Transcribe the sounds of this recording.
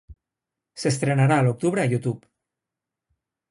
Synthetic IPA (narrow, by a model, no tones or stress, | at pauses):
sest̪ɾenaɾalok̚t̪uβ̞ɾeajut̪up